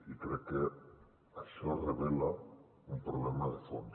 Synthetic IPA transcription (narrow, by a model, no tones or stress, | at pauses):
ikɾeke | asoareβela | umpɾoβlemaðefo̰nd̪